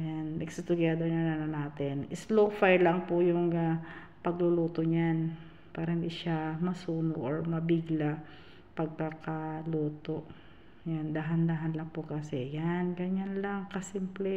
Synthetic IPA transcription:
janmɛɡsʊt̪ʊɡaːd̪onananɐnaːt̪ɛnʔɪslofajlaŋpʊjʊŋa | pɐɡlʊluːt̪oɲan | paːɾɐhɪnd̪iʃamɐsuːnoʔoɹmɐbɪɡla | pɐɡ̚kakɐluːt̪oʔ | jand̪aɦɐnd̪aːɦɐnlaŋpʊkɐsɛjanɡɐɲanlaŋkɐsimplɛ

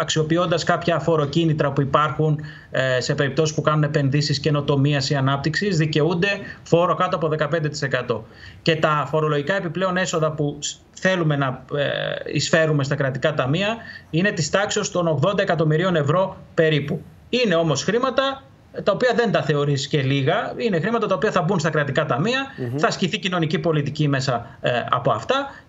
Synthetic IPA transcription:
ɐksio̞pio̞nd̪ɐskɐpçɐfo̞ɾo̞cinit̪ɾɐpuipɐɾxun | se̞pe̞ɾipt̪o̞sispukɐnune̞pe̞nðisisce̞no̞t̪o̞miɐsiɐnɐp̚t̪iksizðice̞und̪e̞fo̞ɾo̞kɐt̪oɐpo̞ðe̞kɐpend̪et̪i̥se̞kɐt̪o̞ | ce̞t̪ɐfo̞ɾo̞lo̞ʝikɐe̞piple̞o̞ne̞so̞ðɐpu | θe̞lume̞nɐ | ḭsfe̞ɾume̞st̪ɐkɾɐt̪ikɐt̪ɐmiɐine̞t̪ist̪ɐksio̞st̪o̞no̞ɣðo̞nd̪ɐe̞kɐt̪o̞miɾio̞ne̞vɾo̞pe̞ɾipu | ineo̞mo̞sxɾimɐt̪ɐ | t̪ɐopiɐðe̞nt̪ɐθe̞o̞ɾisce̞liɣɐinexɾimɐt̪ɐt̪ɐopiɐθɐbunst̪ɐkɾɐt̪ikɐt̪ɐmiɐθɐsciθicino̞nicipo̞lit̪icime̞sɐ | ɐ̰po̞ɐft̪ɐ

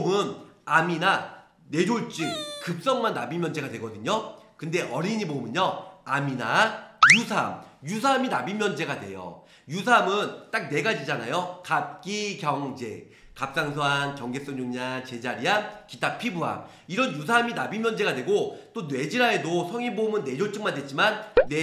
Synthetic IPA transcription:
mɯnamina | ne̞d͡ʑoɭt͡ɕ͈ɯŋkɯp̚s͈ʌŋmanːabimjʌnd͡ʑe̞ɡadwe̞ɡʌdɯɲokɯnde̞ʔʌɾiɲibomɯɲʌaminajusʰamjus̬ʰaminabimjʌnd͡ʑe̞ɡadwe̞̰jo̰ | jus̬ʰamɯnt͈ak̚ne̞ɡad͡ʑid͡ʑana̰jokap̚k͈ikjʌŋd͡ʑe | kap̚s͈aŋsʰoankjʌŋɡe̞s͈ʌŋd͡ʑoŋɲiant͡ɕe̞d͡ʑaɾiankit͈apʰibuɦa̰m | iɾʌnjus̬ʰaminabimjʌnd͡ʑe̞ɡadwe̞ɡot͈onwe̞d͡ʑiɾae̞dosʰʌŋibomɯnːe̞d͡ʑoɭt͡ɕ͈ɯŋmandwet̚t͡ɕ͈imanːe

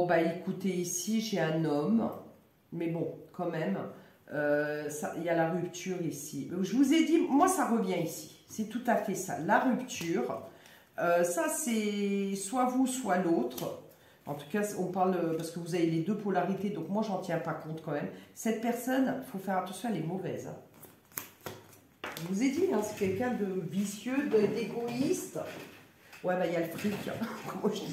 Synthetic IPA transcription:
ɔ̃baekut̪eisiʒeɛ̃nɔmː | ɛbɔ̃kɑ̃mɛm | øsa̰ʔiljalaʁypt̪ʰyʁisimɛʒəvuzed̪imwasaʁəvjɛ̃isi̥ | sɛt̪ut̪afɛsa̰laʁypt̪ʰyːʁ | øsasɛswavuswalot̪χ | ɑ̃t̪u̥kasɔ̃paʁləpaʁskəvuzaveled̪øpɔlaʁit̪ed̪ɔ̃kmwaʒɑ̃t̪jɛ̃pakɔ̃t̪kɑ̃mɛmsɛt̪̚pɛʁsɔnfofɛʁat̪ɑ̃sjɔ̃alemɔvɛ̰zɛ̰̃ | ʒəvuzed̪iɛ̃sɛ̥kʲɛlkʲɛ̃d̪əvisjød̪əd̪eɡoist̪ | wɛbailalət̪χykʲkɔmaʒəi

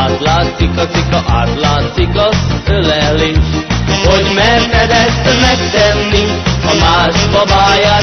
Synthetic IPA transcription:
aːt̪laːt̪sikɒsikɒʔaːt̪laːt̪sikɒsølɛleːʃhoɟmɛɾfɛd̪ɛsmɛkt̪ɛnːi | ɒmaːʃfɒbaːjaː

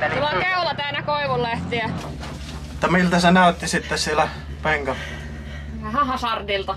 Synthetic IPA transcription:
oʋɑkæulɑt̪æːnækoiʋullæht̪iæ | mut̪ːɑmilt̪ɑsenæˑøt̪ːisit̪ːessielæ | peŋkɑ | hɑhɑsɑrd̪ilt̪ɑ

